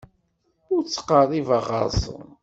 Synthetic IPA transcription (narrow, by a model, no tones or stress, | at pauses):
ʊɾt͡sːə̥qərˤivəʁə̰ɾsˤə̰n